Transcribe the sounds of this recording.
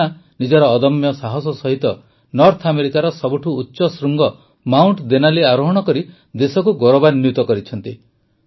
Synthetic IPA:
anid͡ʒɔɾɔːd̪ɔmjɔsaɦɔs̬ɔsɔɦit̪ɔ | nɔɾt̪ʰameɾikaɾɔsɔbuʈʰuːtːʃɔsɾuŋɡɔ | mawɳʈd̪enaleaɾoɦɔɽ̃ɔkɔɾi | d̪esɔkuɡɔɾobanjut̪ɔkɔɾit͡ʃʰɔnt̪i

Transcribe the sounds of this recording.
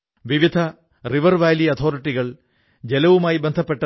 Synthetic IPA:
ʋiʋid̪ʱɐ | riʋɐrʋaːjliɐt̪ʰo̞ːɾiʈːiɣɐɭ | d͡ʑe̞lɐʋumaːjibend̪ʱɐpːe̞ʈːɐ

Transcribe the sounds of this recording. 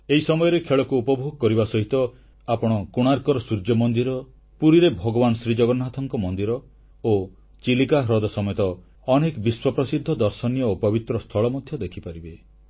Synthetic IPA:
eisɔmɔjɔɾekʰeɭɔkuːpɔbʱoɡɔkɔɾibasɔɦit̪ɔ | apɔɽ̃ɔkuɽ̃aɾkɔɾɔsuɾd͡ʒɔmɔnd̪iɾɔ | puɾiɾebʱɔɡɔbanɔsɾid͡ʒɔɡɔnɔɦat̪ʰɔŋkɔmɔnd̪iɾɔ | o | t͡ʃilikaɦɾɔd̪ɔsɔmet̪ɔː | nekbiswɔpɾɔsid̪ʱːɔd̪ɔɾsɔnjɔopɔbit̪ɾɔst̪ʰɔɭɔmɔd̪ʱjɔd̪ekʰipaɾibe

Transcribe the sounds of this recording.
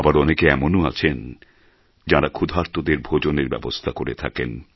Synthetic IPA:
abaɾɔnekeɛmonua̰t͡ɕʰen | d͡ʑaɾakʰud̪ʱaɾt̪od̪eɾbʱod͡ʑoneɾbɛ̰bost̪ʰakoɾet̪ʰa̰ken

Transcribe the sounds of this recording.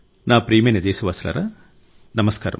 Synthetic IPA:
naːpɾiːmeːnɐd̪eːsɐʋaːsɐla̰ːɾɐ | nɐmɐskaːɾɐ̰m

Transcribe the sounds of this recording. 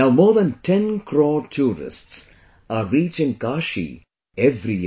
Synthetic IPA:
naʊmɔːɾd̪ə̃nʈʰɛ̃nkʰɾɔːʈʰuːɾɪ̰sʈs | aːɾiːt͡ʃɪ̃ŋkaːʃḭ | ɛʋɾij

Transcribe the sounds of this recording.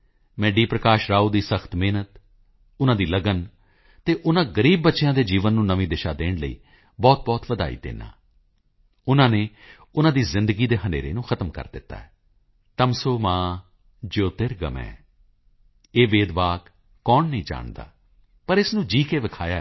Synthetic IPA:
mɛ̃ːɖiːpɾəkaːʃɾaːuːd̪iːsəxʰt̪meːnət̪ | ʊnãːd̪iːləɡən | t̪eːʔʊnãːɡəɾiːb̚ːətːʃɪjãːd̪eːd͡ʒiːʋənːũːnəʋĩːd̪ɪʃaːd̪eːɽləḭː | bɔːt̪̚bɔːt̪ʋəd̪a̰ːḭːd̪ḛːna̰ː | ʊnãːneː | ʊnãːd̪iːzɪ̃nd̪əɡiːd̪eːɦəneːɾḛːnũːxʰət̪əmkə̰ɾd̪ɪt̪ːa̰ːɛː | t̪əmsoːmãː | d͡ʒoːt̪ɪɾɡə̰mɛ̰̃ː | eːʋeːd̪ʋaːk | kːɔːnːəĩːd͡ʒa̰ːɳd̪a̰ː | pəɾɪsnũːd͡ʒiːkeːʋɪkʰaːja

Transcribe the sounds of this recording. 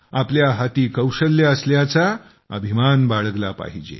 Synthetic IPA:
apljaɦat̪iːkəwɕəlːjaəsljat͡sa | ə̰bʱimanbaɭəɡla̰pa̰ɦid͡ʑḛ

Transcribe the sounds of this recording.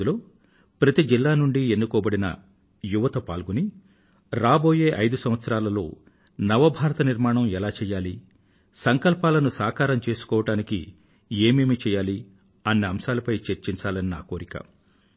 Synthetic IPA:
uloː | pɾɐt̪id͡ʒilːaːnuɳɖiend̪ukɔːbɐɽinɐ̰ | juʋɐt̪ɐpaːlɡuni | ɾaːbo̞ːje̞ːʔɐjd̪usɐm̃ʋɐt̪sɐɾaːlɐlo̞ː | nɐʋɐbʱaːɾɐt̪ɐniɾmaːɳɐmɛlaːt͡ʃɛːjaːli | sɐŋkɐlpaːlɐnusaːkaːɾɐmt͡ʃe̞ːsu̥kɔːʋɐʈaːnikḭ | eːmeːmit͡ʃɛːjaːli | ɐnːiɐmʃaːlɐpɐjt͡ʃeɾt͡ʃint͡ʃaːlɐninaːkoːɾikɐ̰

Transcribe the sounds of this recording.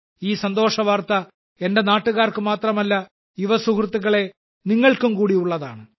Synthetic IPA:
iːsɐnd̪o̞ːʂɐʋaːrt̪ɐ | e̞nde̞naːʈːuɣaːrkɨmaːt̪rɐmɐlːɐ | juʋɐsukrɨt̪ːuɣɐɭe̞ | niŋːɐɭkumkuːɽiuɭːɐða̰ːɳɨ

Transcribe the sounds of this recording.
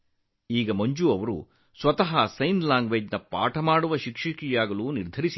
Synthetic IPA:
iːɡɐmɐɲd͡ʒuɐʋɐɾṵ | sʋɐt̪ɐɦɐsɐjnlaːŋɡʋed͡ʒnɐpa̰ːʈʰɐmaːɽuʋɐʃikʂɐkijaːɡɐluːniɾd̪ʱɐɾisi

